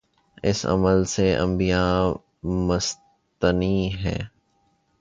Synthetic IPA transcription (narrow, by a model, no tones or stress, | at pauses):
ɪsɐ̰məlseɐ̰̃mbijaː | mɐs | t̪əniːɦɛ̰ː